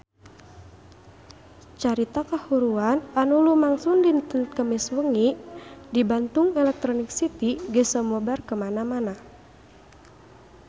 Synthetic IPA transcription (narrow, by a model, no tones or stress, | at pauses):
t͡ʃaɾit̪akahuɾuananulumaŋsundint̪ənkəmiswəŋidibant̪uŋɛlɛk̚t̪ɾɔnik̚sit̪iɡəsəmɔbarkəmanamana